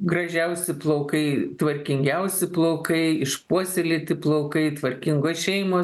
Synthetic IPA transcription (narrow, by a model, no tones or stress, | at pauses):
ɡrɐʒʲɛʊsʲɪplˠoʊkɐɪt̪ʋɐrʲkʲɪŋʲɡʲɛʊsʲɪplˠoʊkɐɪɪʃpuɔsʲɛlʲɪt̪ʲɪplˠɐʊkɐɪt̪ʋɐɾʲkʲɪŋɡoːsʃʲɛɪmoː